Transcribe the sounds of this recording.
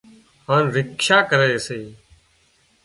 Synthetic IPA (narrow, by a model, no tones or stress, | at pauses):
ɦãːnɾɪkʃaːkəɾeːseː